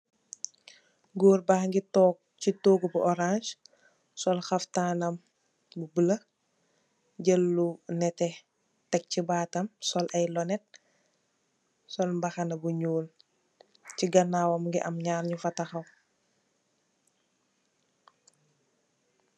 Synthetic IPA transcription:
ɡoːɾbaxŋɡitɔk̚ | citoːɡubuʔɔɾanʃ | sɔlxɐftaːnɐm | bubələ | ɟəlːunɛtɛ | tɛk̚cibaːtɐmsɔlʔɐjlɔnɛt̚ | sɔlmbɐxɐnɐbuɲuːl | ciɡɐnaːwɐmŋɡiʔɐmɲaːrɲufɐtɐxɐw

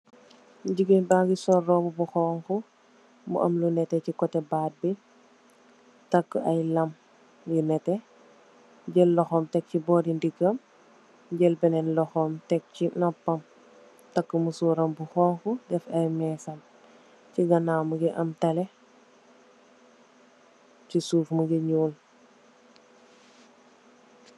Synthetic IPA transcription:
ɟiɡibaɡisɔrːɔmubuxɔːŋxu | mṵʔɐ̰mlunɛtɛcikɔtɛbaːt̚bi | tɐkːəɐjlɐm | jinɛtɛ | ɟəlːɔxɔːmtɛk̚cibɔːdindiɡəm | ɟəlbɛnɛnlɔxɔmtɛk̚cinɔpːɐm | tɐkːəmusuːɾɐmbuxɔːŋkudɛfɐjmɛsɐm | ciɡɐnaːmuɡiʔɐmtɐlɛ | cisuːfmuɡəɲuːl

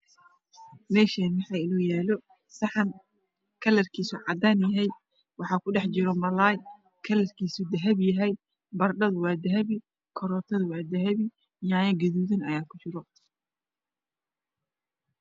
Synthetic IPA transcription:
mɛːʃaːmɑħɑːɪlɔːjaːlɔ | sɐħɑm | kʰɐlɐrkʰiːsʊʕɑd̪aːnjɐɦɛj | wɑħɑːkʰʊɖɛħt͡ʃɪɾɔmɐlaːj | kʰɐlɐrkʰiːsʊd̪ɐɦɐbjɐɦɛj | bɐrɖɐðʊwɑːd̪ɐɦɐβi | kʰɔɾɔːt̪ʰɐðʊwɑːd̪ɐɦɐβi | jaːjɐɡɐðuːðɐnɐjaːkʰʊt͡ʃɪɾɔ

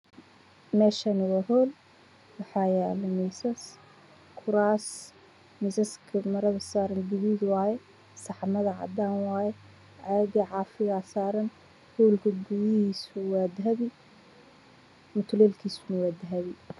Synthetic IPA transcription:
mɛːʃɐnɐwaɦɔːl | wɑħɑːjaːlɐmɛsɐs | kʰʊɾaːs | mɪsɐskʰɐmɐɾɐðɐsaːɾɐnɡ̪ɪβiːd̪wɑːjɛ | sɑħmɐðɐʕɑ̰d̪aːnwɑːjɛ | ʕɛːdiʕɑːfɪɣasaːɾɐn | hɔːlkʰɐɡʊwɪhiːsʊwaːd̪ɦɐβɪ | mʊt̪ʰlɛːlkʰiːsʊnɐwaːd̪ɦɐβɪ

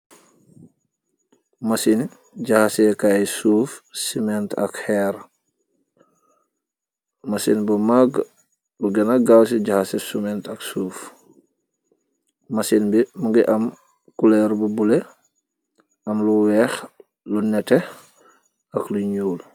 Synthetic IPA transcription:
masin | ɟahasekajsuːfsimɛntɐ̰khɛɾ | masinbumaɡ | luɡɛnaɡals̬iɟahasesumɛntɐksuːf | masinbimuɡiʔɐm | kulɛɾbubule | ɐmluwɛx | lunɛte | ɐkluɲuːl

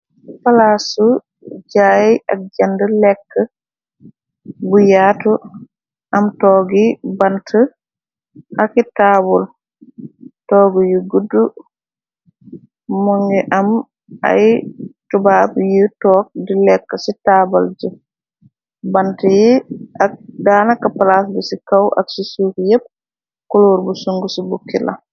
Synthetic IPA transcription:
falasu | d͡ʒajiʔak̚d͡ʒandəlɛkːa | bujaːtu | ʔamtɔːɡibantʰə | hakitaːbɔl | tɔːɡujuɡudːu | muŋɡiʔam | ʔa̰jtubaːbjitɔːk̚dilɛkːasitaːbald͡ʒu | bantijiʔak̚daːnakapalas̬busikawʔa̰ksisuːkjep̚ | kuloːɾbusuŋɡusibukːila̰

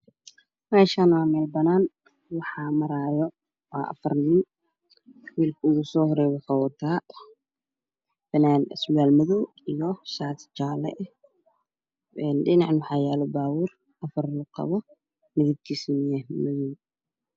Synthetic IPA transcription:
mɛːʃaːnwaːmɛːlbɐnaːn | wɑħɑːmɐɾaːjɔ | waːʔɐ̰fɐrniːn | wiːlkʰɐʊɣusɔːhɔɾɛːβɛkɐwɔt̪ʰaː | fɛnaːnɛslaːlmɪðuw | ijɔʃaːt̪t͡ʃaːlɛ̰ʔ | ʔɛnɗɪnɑʕnwɑħɑːjaːlɔbaːwʊr | ʔɐfɐrʊqɑ̰βɔ | mɪðɪb̚t̪ʰiːsmɪjɛmɪðuw

